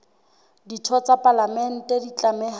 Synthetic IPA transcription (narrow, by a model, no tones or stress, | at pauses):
ditʰɔt͡sapʼalamɛn̩tʼedit͡ɬʼamɛh